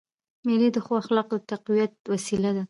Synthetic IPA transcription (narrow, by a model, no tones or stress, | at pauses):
milid̪əxwɑaxlɑq̚d̪ət̪aqwijat̪̚wasilad̪a